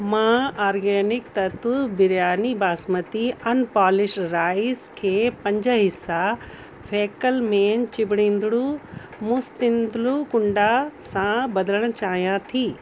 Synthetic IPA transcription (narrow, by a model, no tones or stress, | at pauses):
mãːaːɾɡɛːnɪkt̪ɐt̪ubɪɾjaːnibaːsmət̪iɐnpaːlɪʃɾaːɪskʰeːpɐ̃ɲd͡ʑəɦɪsːa | fʰeːkəlmẽːnt͡ɕɪbɪɽ̃ĩːnd̪ɽu | mʊst̪ĩnd̪lukʊ̃ɳɖasãbɐd̪ələɽ̃̆t͡ɕaːɦijãt̪ʰiː